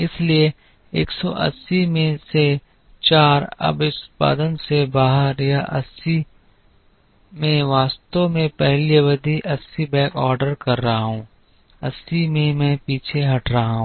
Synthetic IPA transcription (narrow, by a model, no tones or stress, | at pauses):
ɪslie | ḛːksɔʔɐ̰sːimẽse | t͡ʃaːɾɐ̰bɪspa̰ːd̪ənsebaːɦəɾjaʔɐsi | mẽʋaːst̪õmẽpɛɦliʋəd̪ʱiʔɐsibɛ̃ːkɔːɾɖəɾkɐɾːɐɦaɦũː | ɐ̰sːimẽmɛ̃ːpiːt͡ʃʰeɦɐʈʰɾɐɦaɦũː